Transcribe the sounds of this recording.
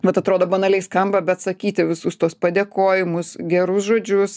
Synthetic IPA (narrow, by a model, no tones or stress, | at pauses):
ʋɐt̪ɐt̪ɾoːd̪oːbɐnɐlʲɛɪskɐmbɐbʲɛt̪sɐkʲiːt̪ʲɪʋʲɪsʊst̪uɔspɐd̪ʲeːkoːjɪmʊsɡʲɛɾʊsʒoːd͡ʒʲʊs